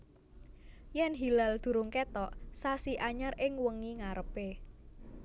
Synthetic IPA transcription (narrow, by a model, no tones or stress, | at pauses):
jɛnɦilald̪̥ṳɾʊŋket̪ɔʔsasiʔaɲərʔɪŋwəŋiŋaɾəpe